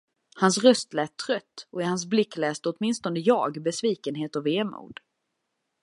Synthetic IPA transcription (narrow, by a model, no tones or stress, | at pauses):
hansɾœst̪lɛːt̪ʰːɾœt̪ːɔɪhans̬blɪkːlɛːst̪əɔt̪mɪnst̪ɔnd̪əjɑ̰ːɡbɛsviːkənɦeːt̪ɔveːmṵːd̪̥